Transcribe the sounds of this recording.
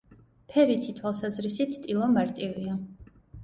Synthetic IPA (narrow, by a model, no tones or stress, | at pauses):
pʰɛɾit̪ʰit̪ʰwalˠsazɾisit̪ʰt̪ʼilˠɔmaɾt̪ʼivia